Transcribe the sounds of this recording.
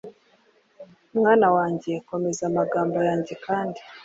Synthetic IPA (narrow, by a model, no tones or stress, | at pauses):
umŋaːnawaːɲɟe̞ko̞me̞zamaɡaːmbo̞jaːɲɟe̞kʰaːndi